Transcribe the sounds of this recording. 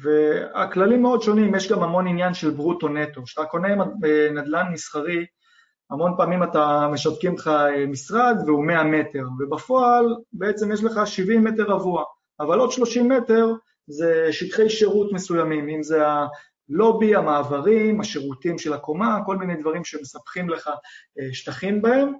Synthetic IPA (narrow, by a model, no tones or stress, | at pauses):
vea̰klalimːeo̞d̪ʃo̞nimjeʃɡamamo̞ninjanʃe̞lbʁuto̞ne̞to̞ʃatako̞ne̞nad̪lanmisχaʁi | amo̞npaːmimatame̞ʃavkimχaemisʁad̪veumeame̞te̞ʁve̞bafo̞albee̞t͡se̞mjeʃ̬leχaʃivimːe̞te̞ʁavuaː | valo̞d̪ʃlo̞ʃimːe̞te̞ʁ | ze̞ʃitχe̞jʃe̞ʁutme̞sujamimimzea | lo̞biamaːvaʁimaʃe̞ʁutimʃelako̞mako̞lmine̞jd̪vaʁimʃemesapχimle̞χaeʃt̪aχimbae̞m